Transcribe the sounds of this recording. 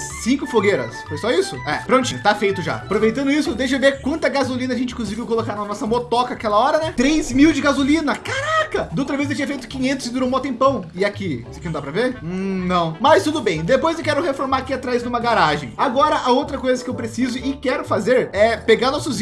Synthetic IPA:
sĩŋkʊfoɡeɾɐ̰sfojsɔisʊɛ̰pɾõnt͡ʃɪ̃t̪afejt̪ʊʒa̰apɾovejt̪ɐ̃nd̪ʊisʊd̪ejʃ̬ʊɪveɾkwɐ̃nt̪ɐɡazulĩnɐʒẽnt͡ʃɪ̃kluz̬iɡiʊkolokaɾnɐnɔsɐmot̪ɔkɐakɛlɐɔɾɐnɛt̪ɾezmiwd͡ʒɪɡazulĩnɐkaɾakɐd̪owt̪ɾɐvezdewt͡ʃĩɲ̃ɐfejt̪ʊ̥kĩɲẽnt̪ʊzɪd̪uɾõw̃mɔwt̪ẽpɐ̃w̃ɪakiskñd̪apɾɐveɾnɐ̃w̃mɐst̪ud̪ʊbẽj̃d̪epojzewkɛɾʊhefoɾmaɾakiat̪ɾajznũmɐɡaɾaʒḛ̃j̃aɡɔɾɐʔaowt̪ɾɐkojzɐkɪewpɾesizʊɪkɛɾʊfazeɾɛpeɡaɾnɔsʊz

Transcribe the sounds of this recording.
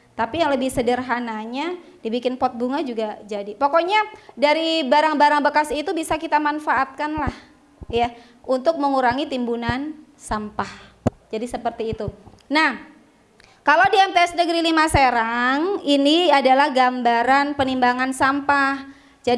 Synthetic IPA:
t̪apijaŋləbɪhsədərɦanaɲadibikɪnpɔt̪̚buŋad͡ʒuɡad͡ʒadipɔkoɲadaɾibaɾaŋbaɾaŋbəkasit̪ubisakit̪amanfaʔat̪̚kanlah | ja | unt̪ʊk̚məŋuɾaŋit̪imbunan | sampah | d͡ʒadisəpərt̪iːt̪u | nah | kalowdiɛmt̪eɛsnəɡɾilimaseɾaŋiniadalahɡambaɾanpənimbaŋansampah | d͡ʒa

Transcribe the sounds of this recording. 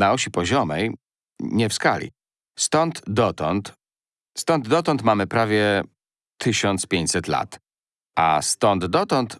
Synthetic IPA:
naɔɕipɔʑɔmɛj | ɲɛfskalʲḭ | st̪ɔnt̪d̪ɔt̪ɔnt̪ | st̪ɔnd̪d̪ɔt̪ɔnt̪mamɘpɾavʲjɛ | t̪ʰɘɕɔnt̪spʲjeɲt͡ɕsɛt̪la̰t̪ | a̰st̪ɔnd̪d̪ɔt̪ɔnt̪

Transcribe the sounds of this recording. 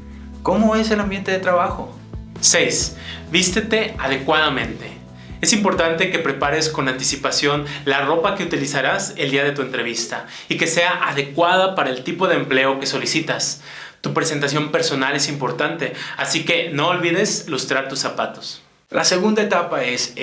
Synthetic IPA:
ko̞moe̞se̞lambje̞nt̪e̞ðet̪ɾaβaxo̞ | se̞js | bist̪e̞t̪e̞aðe̞kwaðamẽ̞nt̪e̞ | e̞simpo̞ɾt̪ant̪e̞ke̞pɾe̞paɾe̞sko̞nant̪isipasjo̞nlaro̞pake̞ut̪ilisaɾase̞ld̪iaðe̞t̪ue̞nt̪ɾe̞β̞ist̪a | ike̞se̞aʔaðe̞kwaðapaɾae̞lt̪ipo̞ðeːmple̞oke̞so̞lisit̪as | t̪upɾese̞nt̪as̬jo̞mpe̞ɾso̞nale̞simpo̞ɾt̪ant̪e̞asike̞no̞ːlβiðe̞slust̪ɾaɾt̪usːapat̪o̞̥s | lase̞ɣund̪aet̪apaes

